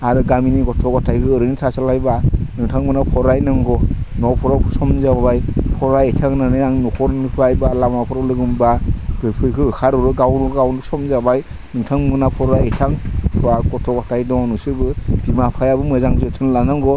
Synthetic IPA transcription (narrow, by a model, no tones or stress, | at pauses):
aɾɯɡaminiɡɔtʰɔɡɔtʰajkʰɯɯɾɯŋnsʰasalajbanɯŋtʰaŋmɯnapʰɔɾajnɯŋɡɔnɔpʰɔɾapʰusɔmzabajpʰɔɾaetʰaŋnanɯaŋnɔkʰɔɾnɯpʰɯɾajbalamapʰɔɾɔlɯɡɯmbabɯpʰɯjkʰɯɯkʰaɾɔɾɯɡawnɯɡawnɯsɔmzabaj | nɯŋtʰaŋmɯnapʰɔɾaejtʰaŋpʰaɡɔtʰɔɡɔtʰajdɔŋɔnusɯbɯb̥imapʰajabɯmɯzaŋzɯtʰɯnlanɯŋɡɔ